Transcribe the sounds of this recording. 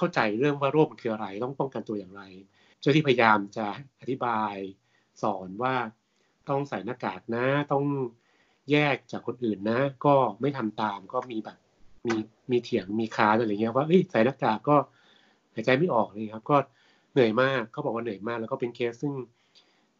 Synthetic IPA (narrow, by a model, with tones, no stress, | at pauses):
kʰa˥˩wt͡ɕa˧jɾɯ˥˩əŋwaː˥˩ɾoː˥˩m˧kʰɯː˧ʔa˧ɾa˧jt̪ɔ˥˩ŋpɔ˥˩ŋka˧nt̪u˧ɐjaː˨˩ŋɾa˧j | t͡ɕʰt̪ʰiː˥pʰa˧ja˧jaː˧mt͡ɕa˨˩ʔa˨˩t̪ʰi˦˥baː˧j | sɔː˩˦nwaː˥˩ | t̪ɔ˥˩ŋsa˨˩˦jna˦˧˥kːaː˨˩k̚na˦˥t̪ɔ˥˩ŋ | jɛː˥˩k̚t͡ɕaː˨˩kʰːo˧nʔɯː˨˩nːa˦˥kɔː˥˩ma˥˩jt̪ʰa˧mt̪aː˧mkɔː˥˩miː˧bɛː˨˩p̚miː˧ | miː˧t̪ʰi˨˩˦əŋmiː˧kʰaː˦˥nʔa˧a˧˨ŋi˦˥ɐ˧waː˥˩ʔɤ˦˥˩jsa˨˩˦jna˦˥kːaː˨˩kːɔː˥˩ | haː˨˩˦t͡ɕa˧jma˥˩jʔɔː˨˩k̚la˧˦˥kʰa˦˥p̚kɔː˥˩ | nɯ˨˩əjmaː˥˩kʰːa˦˥wbɔː˨˩k̚waː˥˩nɯ˨˩əjmaː˥˩klɛ˦˥wkɔ˥˩pe˧nkʰe˦˥ssɯ˥˩ŋ